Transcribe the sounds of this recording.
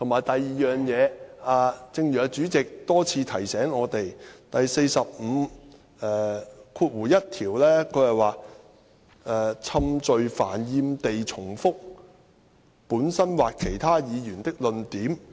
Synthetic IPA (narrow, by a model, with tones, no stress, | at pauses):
t̪ʰʊ˨˩maː˨˩jt̪ɐ˨jːiː˨jœː˨˩ŋjɛː˨˧aː˨˧t͡sɪ˧ŋjœː˨˧t͡ʃyː˨˥t͡sɪ˨k̚t̪ɔː˥t͡sʰiː˧t̪ʰɐ˨˩jsɛː˨˥ŋɔː˨˧t̪e˨jt̪ɐ˨jse˧jsɐ˨p̚m̩ː˨˧ | ɛː˨˩kʰuː˧t̚wuː˨˩jɐ˥t̚t̪ʰiː˨˩wlɛː˥kʰɵ˨˧ɥhɐ˨jwaː˨ | ʔɛː˨t͡sʰɐ˧mt͡ʃɵ˨ɥfaː˨˩njiː˧mt̪e˨jt͡ʃʰʊ˨˩ŋfʊ˥k̚ | puː˨˥nsɐ˥nwaː˨kkʰːe˨˩jt̪ʰaː˥jiː˨˧jyː˨˩nt̪ɪ˥k̚lɵ˨nt̪iː˨˥m